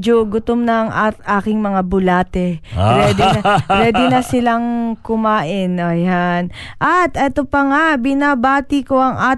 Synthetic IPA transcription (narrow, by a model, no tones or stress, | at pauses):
d͡ʒoɡʊt̪omnɐŋʔaʔaːkɪŋmɐŋabʊlaːt̪ɛpwɛːd̪ɪpwɛːd̪ɪnɐsɪlaŋkʊmaːʔɪnʔojan | ʔɐt̪ʔɛt̪opɐŋabɪnabaːt̪ɪkoʔɐŋʔaː